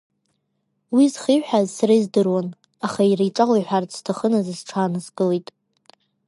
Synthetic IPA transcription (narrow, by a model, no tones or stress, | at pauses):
wizχiħʷᶣazsaraizdɨrwan | aχairijʈ͡ʂʼaʁʷajħʷᶣart͡sʰʼstʰaχənazɨzʈ͡ʂʰaːnɨzɡʼɨlejtʼ